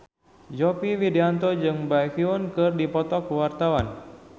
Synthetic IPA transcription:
d͡ʒɔpiwideant̪ɔd͡ʒɨŋbakiunkɨrdipɔt̪ɔkuwart̪awan

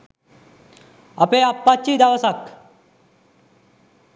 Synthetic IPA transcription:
əpeapːat͡ɕiːd̪aʋəsak

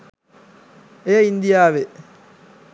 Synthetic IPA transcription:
eːind̪ijaːʋe

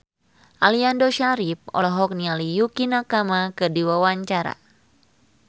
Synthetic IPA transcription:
ʔaliandoʃaɾip̚ɔ̰lɔɦɔk̚nialijukinakamakɨdiwawaɲt͡ʃaɾa̰

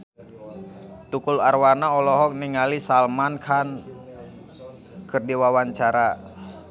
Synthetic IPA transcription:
t̪ukularwanaɔlɔɦɔk̚niŋalisalmankʰan | kərdiwawaɲt͡ʃaɾa

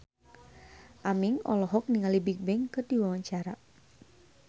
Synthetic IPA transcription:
ʔamɪŋɔ̰lɔɦɔk̚niŋalibik̚bɛŋkərd̥iwawaɲt͡ʃaɾa

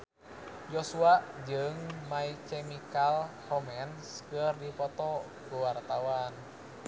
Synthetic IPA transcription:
jɔsuaʔd͡ʒɨŋmaikɛmikalhɔmɛnskɨrdipɔt̪ɔ | kuwart̪awan

